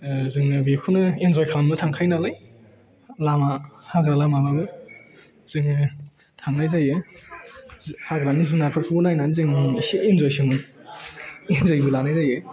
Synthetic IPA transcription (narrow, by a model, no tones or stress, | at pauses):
zɯŋɯbikʰunɯenzɔjkʰamnɯtʰaŋkʰajnalaj | lamahaɡɾalamababɯ | z̥ɯŋɯ | tʰaŋnajzajɯ | haɡɾanizɯŋnaɾpʰɯkʰɯbunajnazɯŋsiinzɔjsimɯ | inzojbɯlanajzajɯ